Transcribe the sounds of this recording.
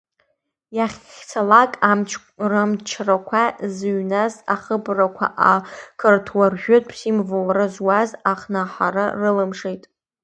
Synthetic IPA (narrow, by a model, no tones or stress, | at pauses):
jaχʲt͡sʰalakʼamt͡ʃʰ | rɨmt͡ʃʰrakʷʰazɥnazaχəbrakʷʰa̰ʔakʰɨrtʰwarʒᶣʊtʼpʰsimvowaɾɨzwazaχnaħarɨ̰rɨlɨmʂejtʼ